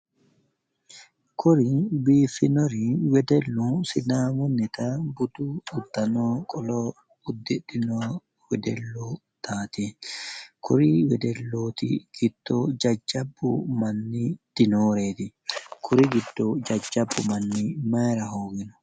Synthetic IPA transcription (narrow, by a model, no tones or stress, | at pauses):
kʊɾɪbiːfɪnɔɾɪwɛd̪ɛlːusɪnaːmʊnːɪt̪abʊt̪uʊd̪ːɐnoːkʼɔlɔ | ʊd̪ːɪdɪnoː | wɛd̪ɛlːoː | t̪aːt̪i | kʰʊɾiwɛd̪ɛlːoːt̪ɪ̰ɡ̥ɪd̪̥ːoːd͡ʒɐd͡ʒːɐbːʊ̰mɐnːid̪̥ɪnoːɾeːt̪ɪ | kʰʊɾɪɡɪd̪ːod͡ʒɐd͡ʒːɐbːʊmɐnːimɐɾɐhoːɡɪnʊ̥